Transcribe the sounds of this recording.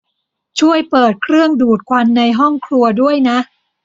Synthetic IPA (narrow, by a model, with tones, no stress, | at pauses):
t͡ɕʰu˥˩əjpɤː˨˩t̪̚kʰɾɯ˥˩əŋduː˨˩t̪̚kʰwa˧nːa˧jɦɔ˥˩ŋkʰɾu˧ɐdu˥˩əjna˦˥ʔ